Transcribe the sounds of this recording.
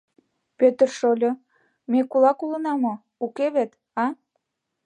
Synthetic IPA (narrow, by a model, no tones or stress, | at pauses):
pøt̪ərʃolʲo | mekulɑkulənɑmo | ukeβet̪ | ɑ